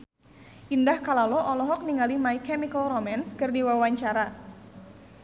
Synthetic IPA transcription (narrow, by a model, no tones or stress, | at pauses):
ʔindahkalalɔʔɔlɔɦɔk̚niŋalimaikɛmikəlromanskɨrdiwawaɲt͡ʃaɾa